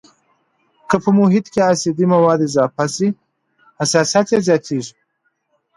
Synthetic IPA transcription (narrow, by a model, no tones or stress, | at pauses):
kəpəmuɦɪt̪keasid̪imawɑːd̪ezɑːpasi | hasɑsat̪jezjɑːt̪ʰeʒi